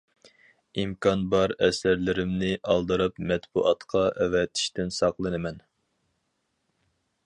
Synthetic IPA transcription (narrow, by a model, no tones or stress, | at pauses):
imkʰɑnbɑɾɛsæɾlɪɾɪmnɪʔɑlˠd̪ɨɾɨpmɛt̪buʔɑt̪qʰɑʔɛvɛt̪ʰi̥ʃt̪ɪnsɑqlˠɨnɨmɛn